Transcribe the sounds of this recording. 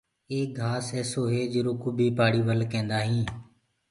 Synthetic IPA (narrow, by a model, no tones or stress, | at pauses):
eːk̚ɡʱaːseːsoːɦeːd͡ʒɪɾoːkuːbʱiːpaːɽiːʋəlkẽːnd̪aːɦĩː